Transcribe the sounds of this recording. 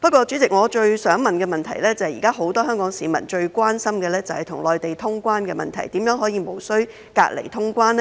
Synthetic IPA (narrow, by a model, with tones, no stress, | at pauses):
pɐ˥t̚kʷɔː˧t͡ʃyː˨˥t͡sɪ˨k̚ŋɔː˨˧t͡ʃɵ˧ɥsœː˨˥ŋmɐ˨nkɛː˧mɐ˨nt̪ʰɐ˨˩jlɛː˥t͡sɐ˨hɛ˨jiː˨˩kaː˥ɦo˨˧˥wt̪ɔː˥hœː˥ŋkɔː˨˥ŋsiː˨˥mɐ̰˨˩nt͡ʃɵ˧ɥkʷwaː˥nsɐ˥mkɛː˧lɛː˥t͡sɐ˨whɐ˨jt̪ʰʊ˨˩ŋlɔː˨jt̪e˨jt̪ʰʊ˥ŋkʷwaː˥nkɛː˧mɐ̰˨nt̪ʰɐ˨˩jt̪iː˨˥mjœː˨˥ŋɦɔː˨˥jiː˨˧mo˨˩wsɵ˥ɥ | ka̰ː˧k̚lḛ˨˩jt̪ʰʊ˥ŋkʷwaː˥nɛ˥